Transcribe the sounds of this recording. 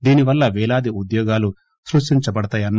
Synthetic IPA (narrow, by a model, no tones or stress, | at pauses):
d̪iːniʋɐlːɐʋɛːlaːd̪iud̪jɔːɡaːlu | sɾuʂʈiɲt͡ʃɐbɐɽɐt̪aːjɐnː